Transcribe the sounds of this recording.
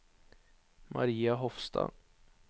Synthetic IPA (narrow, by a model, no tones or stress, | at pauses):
mʔaɾiːaɦɔfst̪a̰